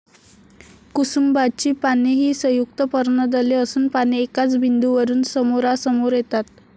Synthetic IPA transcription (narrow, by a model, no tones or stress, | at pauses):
kusumbad̪̚t͡ɕiːpaneɦiːsəjukt̪əpəɾɳəd̪əleəsuːnpaneekat͡sbʱind̪uʋəɾuːnsəmoɾasəmoɾjet̪at̪̚